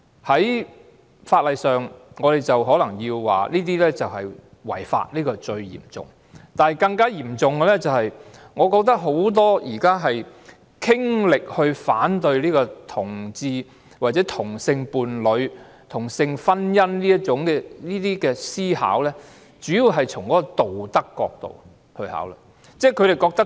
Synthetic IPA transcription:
hɐ˨˥j | faː˧t̚lɐ˨jsœː˨ŋŋɔː˨˧ɾe˨˩jt͡sɐ˨wɦɔː˨˥lɐ˨˩ŋjiː˧wwa̰ː˨liː˥t̪̬iː˥lɛː˥t͡sɐ˨whɐ˨˩j | wɐ̰˨˩jfa̰ː˧t̚liː˥kɔː˧t͡ʃɵ˧ɥjḭː˨˩mt͡sʊ̰˨˩ŋ | t̪aː˨nhjkɐ˧ŋkaː˥jiː˨˩mt͡sʊ˨ŋɡɛ˧lɛː˥t͡sɐ˨whɐ˨jŋɔː˨˧kɔː˧k̚t̪ɐ˥k̚ɦo˨˥wt̪̬ɔː˥jʔiː˨˩kaː˥ɦɐ˨j | kʰɪ˥ŋlɪ˨k̚hɵ˧ɥfaː˨˥nt̪ɵ˧ɥliː˥kɔː˧t̪ʰʊ˨˩ŋt͡siː˧ | waː˨t̚t͡sɛː˨˥t̪ʰʊ˨˩ŋsɪ˧ŋpuː˨˧nlɵ˨˧ɥ | t̪ʰʊ˨˩ŋsɪ˧ŋfɐ˥njɐ˥nliː˥jɐ˥t̚t͡ʃʊ˨˥ŋkɛː˧liː˥t̪iː˥kɛː˧siː˥ha̰ː˨˥wlɛː˥ | t͡ʃyː˨˥jiː˨˧wɦɐ˨jt͡ʃʰʊ˨˩ŋkɔː˨˥kɔ˧t̪o˨wt̪ɐ˥kːɔ̰ː˧k̚t̪o̰˨w | hɵ˧ɥha̰ː˨˥wla̰˧ | t͡sɛː˥˩kʰɵ˧ɾe˨jkɔː˧k̚t̪ɐ˥

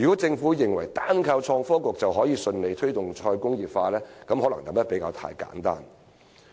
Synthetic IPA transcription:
y˨˩kɔː˨˥t͡sɪ˧ŋfuː˨˥jɪ˨ŋwɐ˨˩jt̪aː˥nkʰɐ˧wt͡ʃʰɔː˧ŋfɔː˥kʷʊ˨k̚t͡sɐ˨wɦɔː˨˥jiː˨˧sɵ˧nle˨˧jt̪ʰɵ˥ɥt̪ʊ˨ŋt͡ʃʰɔː˧jkʊ˥ŋjiː˨p̚faː˧lɛː˥kɐ˨˥mhɔː˨˥lɐ˨˩ŋt̪ɐ˨mjɐ˥t̚pe˨˥jkaː˧wt̪ʰa̰ː˧˥jka̰ː˨˥nt̪a̰ː˥n

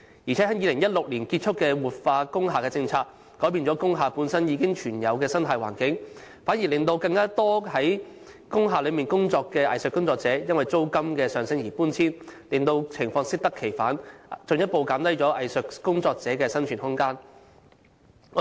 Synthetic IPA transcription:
jiː˨˩t͡sʰɛː˨˥hɐ˨˥jiː˨˧lɪ˨˩ŋjɐ˥t̚lʊ˨k̚liː˨˩nkiː˧t̚t͡ʃʰʊ˥kːɛː˧wuː˨˩t̚faː˧kʊ˥ŋɦaː˨kɛː˧t͡sɪ˧ŋt͡sʰaː˧k̚ | kːɔː˨˥jpiː˧nt͡sɔː˨˥kʊ˥ŋɦaː˨puː˨˥nsɐ˥njiː˨˧kɪ˥ŋt͡ʃʰyː˨˩njɐ˨˧wkɛː˧sɐ˥nt̪ʰɐː˨jwa̰ː˨˩nkɪ˨˥ŋ | faː˨˥nji˨˩lɪ˨˧ŋt̪o˧wkɐ˧ŋkaː˥t̪ɔː˥hɐ˨˥j | kʊ˥ŋɦaː˨lɵ˨˧ɥmiː˨nkʊ˥ŋt͡sɔː˧kːɛː˧ʔɐ̰˨jsɵ˨kːʊ˥ŋt͡sɔː˧k̚t͡sɛː˨˥jɐ˥nwɐ˨jt͡so˥wkɐ˥mkɛː˧sœː˨˩ŋsɪ˥ŋjiː˨˩puː˥nt͡sʰiː˥nlɪ˨˧ŋt̪o˧wt͡sʰɪ˨˩ŋfɔː˧ŋsɪ˥k̚t̪ɐ˥kʰe˨˩jfaː˨˥nt͡sɵ˧njɐ˥t̚po˧wkaː˨˥mt̪ɐ˥jt͡sɔː˨˥ʔɐ˨jsɵ˨kkʊ˥ŋt͡sɔː˧k̚t͡sɛː˨˥kɛː˧sɐ˥nt͡ʃʰyː˨˩nhʊ˥ŋkaː˥n˨˧

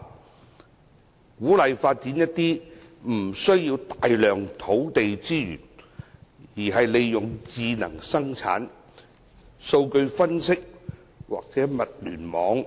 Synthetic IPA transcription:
kuː˨˥lɐ˨˧jfaː˧t̚t͡siː˨˥njɐ˥t̚t̪iː˥m̩˨˩sɵ˥ɥjiː˧wt̪aː˨jlœː˨ŋt̪ʰo˨˥wt̪e˨jt͡siː˥jy̰ː˨˩n | jiː˨˩ɦɐ˨jle˨˧jjʊ˨ŋt͡siː˧nɐ̰˨˩ŋsɐ˥ŋt͡sʰa̰ː˨˥n | so˧wkɵ˧ɥfɐ˥nsɪ˥k̚ | wa̰ː˨k̚t͡sɛː˨˥mɐ˨t̚lyː˨˩nmɔː˨˥ŋ

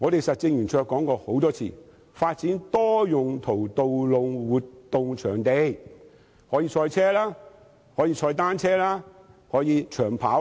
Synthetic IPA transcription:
ŋɔː˨˧t̪e˨jsɐ˨t̚t͡sɪ˧ŋjyː˨˩nt͡ʃʰœː˧kːɔː˨˥ŋkɔː˧ho˨˥wt̪ɔː˥t͡sʰḭː˨˩ | faː˧t̚t͡siː˨˥nt̪ɔː˥jʊ˨ŋt̪ʰo˨˩wt̪o˨wlo˨ŋwuː˨tt̪ʊ˨ŋt͡ʃʰœː˨˩ŋt̪e˨j | hɔː˨˥jiː˧t͡ʃʰɔː˧jt͡sʰɛː˥laː˥ | hɔː˨˥jiː˧t͡ʃʰɔː˧jt̪aː˥nt͡sʰɛː˥laː˥ | hɔː˨˥jiː˨˧t͡ʃʰœː˨˩ŋpʰaː˨˥w

